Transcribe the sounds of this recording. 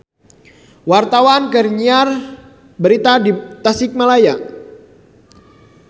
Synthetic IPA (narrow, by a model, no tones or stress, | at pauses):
wart̪awankərɲiar | bəɾit̪adit̪asɪk̚malaja